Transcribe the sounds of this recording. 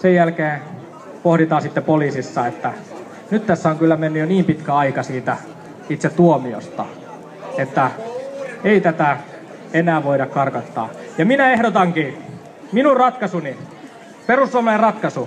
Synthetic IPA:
sejjælkeː | pohɾit̪ɑːsit̪ːepoliːsisːɑet̪ːæ | nyt̪t̪æsːæoŋkylːæmenːyjoniːmpit̪kæɑikɑsiːt̪æ | it̪set̪t̪uomio̰st̪ɑ̰ | et̪ːæ | eit̪æt̪æ | enæːʋoiɾɑkkɑrkɑt̪ːɑ̰ːjɑminæehdot̪ɑŋkiː | minurrɑt̪kɑsuni | perusːuɑmɑerɑt̪kɑsu

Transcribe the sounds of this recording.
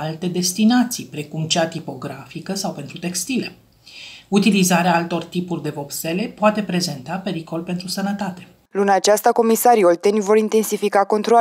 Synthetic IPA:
alt̪e̞d̪e̞st̪inat̪sipɾe̞kumt͡ʃeat̪ipo̞ɡɾafikəsawpe̞nt̪ɾut̪e̞kst̪ile̞ | ut̪ilizaɾeaalt̪o̞rt̪ipurʲd̪e̞vo̞pse̞le̞poat̪e̞pɾe̞ze̞nt̪ape̞ɾiko̞lpe̞nt̪ɾusənət̪at̪e | lunat͡ʃast̪ako̞misaɾiolt̪enʲvo̞ɾint̪e̞nsifikako̞nt̪ɾoa

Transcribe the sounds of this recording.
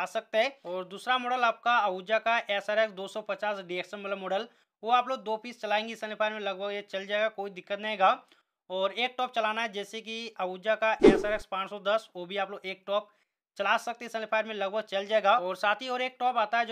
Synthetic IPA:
aːsɐk̚t̪eɦɛ̃ːɔːɾd̪uːsɾamɔːɖəlaːp̚kaɐʋuːd͡ʒakaʔɛːsaɾɛksd̪oːsɔpɐt͡ʃaːsɖieːkʃənmɐt̪ləbmɔːɖəl | ʋoaːploːɡ̚d̪oːpiːst͡ʃɐlaːẽːŋɡisə̃nɪpʰaːɪɾmẽlɐɡbʱəɡet͡ʃɐld͡ʒaːeɡakoːid̪ɪkːət̪nɐɦẽːɡa | ɔːɾeːk̚ʈɔːp̚t͡ʃɐlaːnaɦɛd͡ʒɛːsek̬iɐʋuːd͡ʒakaʔɛːsaɾɛkspãːt͡ʃsɔd̪ɐsʋoːbʱiaːploːɡeːk̚ʈɔːp̚ | t͡ʃɐlaːsɐk̚t̪esɛ̃nɪpʰaːɪɾmẽlɐɡ̚bʱəɡ̚t͡ʃɐld͡ʒaːeːɡaɔːɾsaːt̪ʰiɔːɾeːk̚ʈɔːpaːt̪aɦɛd͡ʒ

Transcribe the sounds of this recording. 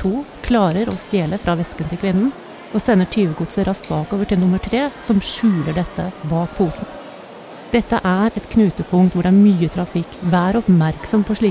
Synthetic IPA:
ʈʰuː | kʰlɑːɾəɾɔst̪eːləfɾʔɑːʋɛskənt̪ʰɪlkʰʋɪnn̩ | ɔsɛnːəʈʰyːʋəɡʊt̪səɾɑst̪̚bɑːkoːʋəʈɪlnʊmːəʈʰɾeːsɔmʂʉːləɖɛt̪ːəbɑːk̚pʰuːsn̩ | d̪̥ɛt̪ːəʔæɾɛt̪kʰnʉːt̪əpʰʊŋkt̪ʋʊɖɛæːɾmyːət̪ʰɾɑfɪkːʋæːɾɔpmæɾksɔmpʰɔʂɭiː

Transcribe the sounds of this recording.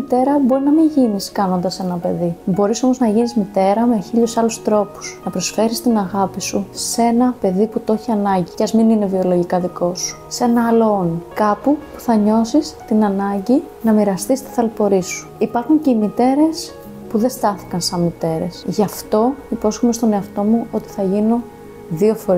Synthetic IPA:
it̪e̞ɾɐbo̞ɾinɐmiɲʝiniskɐno̞nd̪ɐse̞nɐpe̞ðibo̞ɾiso̞mo̞znɐʝinizmit̪e̞ɾɐmeçiʎosɐlust̪ɾo̞pu̥snɐpɾo̞sfe̞ɾist̪inɐɣɐpisuse̞nɐpe̞ðiput̪o̞çiɐnɐɲɟicɐzminine̞vio̞lo̞ʝikɐðiko̞su̥se̞nɐɐloonikɐpupu̥θɐɲo̞sist̪inɐnɐɲɟi | nɐmiɾɐst̪ist̪i̥θɐlpo̞ɾisu̥ipɐɾxuɲce̞imit̪e̞ɾe̞s | puðe̞st̪ɐθi̥kɐnsɐnmit̪e̞ɾe̞sʝɐft̪o̞ipo̞sxome̞st̪o̞ne̞ɐft̪o̞muo̞t̪i̥θɐʝino | ðio̞fo̞ɾi

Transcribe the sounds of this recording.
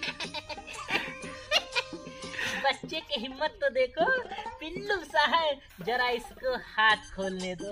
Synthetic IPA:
bɐtːʃekiɦɪmːət̪ːod̪eːkʰopɪlːumsaːɦɛ | d͡ʒɐɾaɪskohaːt̪ʰkʰoːlned̪oː

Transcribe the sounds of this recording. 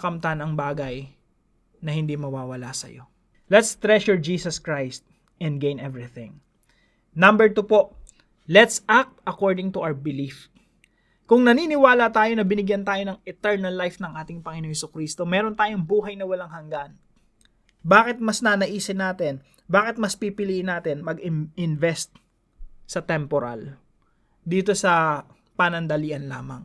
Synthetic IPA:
ɐkɐmt̪ɐnɐŋbaːɡɐj | nɐhɪ̃nd̪imɐwaːwɐla̰sɐ̰jo̞̰ | lɛt̪st̪ɹɛʃʊɹd͡ʒiːsɐskɹajst̪̚ | ɛ̃nd̪ɡẽj̃nʔɛvɹiθɪ̰̃ŋ | nɐ̃mbɛɹt̪upo̞ʔ | lɛt̪sak̚t̪ɐkoɹd̪ɪŋt̪ʊʔawbɪlif | kʊŋnɐniːnɪwaːlɐt̪aːjo̞nɐbɪnɪɡjɐnt̪aːjo̞nɐŋɛt̪ɛɹnɐlːajfnɐŋʔaːt̪ɪŋpɐŋɪnoŋhɛsukɾiːst̪o̞mɛɾo̞nt̪aːjoŋbuːɦɐjnɐwɐlɐŋhɐŋɡan | baːkɪt̪̚mɐsnɐnɐʔiːsɪnaːt̪ɛn | baːkɪt̪̚mɐspipɪliʔɪnaːt̪ɛnmɐɡɪɪnvɛst̪̚ | sɐt̪ɛmpoɾa̰l | d̪iːt̪o̞sɐ | pɐnɐnd̪ɐliːʔɐnla̰ːmɐ̰ŋ

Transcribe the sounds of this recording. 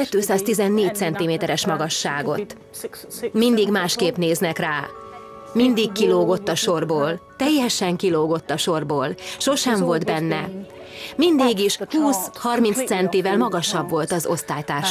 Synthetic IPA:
kɛt̪ːøːsaːst̪izɛnːeːc̚t̪sɛnt̪imeːt̪ɛɾɛʃmɒɡɒʃːaːɡo̞̰tt̪ | mind̪iɡmaːʃkeːpneːznɛkraː | mind̪ikkːiloːɡo̞t̪ːɒʃo̞rboːlt̪ɛjːɛʃɛŋkiloːɡo̞t̪ːɒʃo̞rboːlʃo̞ʃɛɱvo̞ld̪bɛnːɛ | mind̪iːɡiʃhuːshɒrmint̪st̪sɛnt̪ivɛlmɒɡɒʃɒbvo̞lt̪ɒzo̞̰st̪aːjt̪aːrʃ

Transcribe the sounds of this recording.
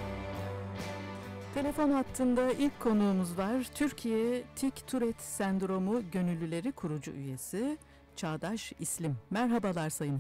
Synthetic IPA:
t̪ʰe̞lʲe̞fo̞nɦat̪ʰːɯnd̪ailʲckʰːo̞nuːmuzvaɾ̥t̪ʰyɾcʰijɛt̪ʰict̪ʰuɾɛt̪sænd̪ɾo̞muɟø̞nylʲːylʲe̞ɾikʰuɾud͡ʒṵʔyje̞si | t͡ʃʰaːd̪aʃislʲimːæɾɦabalˠaɾsajɯn

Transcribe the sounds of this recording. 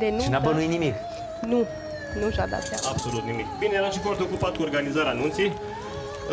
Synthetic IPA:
d̪eninabənuinimik | nu | nuʒab̪a̰t̪saabsolut̪nimikbinejeɾanʃifort̪eokupat̪̚kuorɡanizaɾeanunt̪sej

